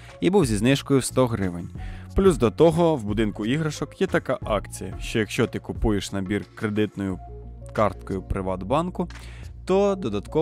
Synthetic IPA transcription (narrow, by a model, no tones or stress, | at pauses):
ibuwzʲiznɪʃkɔjʊst̪ɔɦɾɪʋenʲplʲuzd̪ɔt̪ɔɦɔwbʊd̪ɪnkʊiɦɾɐʃɔkjɛt̪ɐkɑʔɑkt͡sʲijɐʃt͡ʃɔjɐkʃt͡ʃɔt̪ɪkʊpujeʃnɐbʲirkɾe̞d̪ɪt̪nɔjʊ | kɑrt̪kɔjʊpɾɪʋɑd̪bɑnkʊ | t̪ɔd̪ɔd̪ɐt̪kɔ